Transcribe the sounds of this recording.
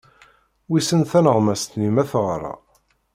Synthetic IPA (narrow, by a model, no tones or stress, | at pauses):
wisənθænəʁmæst̪nimæθʁrˤɑ̰